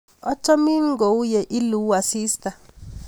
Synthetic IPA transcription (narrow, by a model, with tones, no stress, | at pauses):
ɔ˦t͡ʃɔ˦mi˦ŋɡo˨u˦jɛ˨ʔi˦lu˦wa˨siː˦sta˨